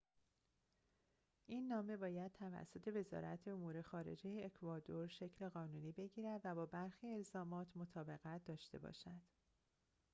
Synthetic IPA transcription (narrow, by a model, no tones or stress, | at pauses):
ʔinːɒːme̞bɒːjæd̪̥̚t̪ʰævæ̰sːo̞t̪ʰe̞ve̞zɒ̰ːɾʔæ̰t̪ʰe̞omuːɾe̞xɒːɾe̞̰d͡ʒe̞jeːkʰvɒːd̪o̞ɾʃe̞cʰle̞ɣɒːnuːniːbe̞ɟiːɾæd̪væbɒːbæɾxiːe̞lzɒːmɒːt̪ʰmot̪ʰɒːbe̞ɣæt̪̚ʰd̪ɒːʃt̪e̞̰bɒ̰ʃæd̪̥